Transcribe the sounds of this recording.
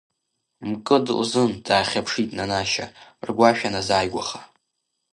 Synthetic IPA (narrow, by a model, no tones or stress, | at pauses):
mkʼɨdlzɨndaːχʲapʰʂitʼnanaʃa̰rɡʷaʃᶣanazaːjɡʷaχa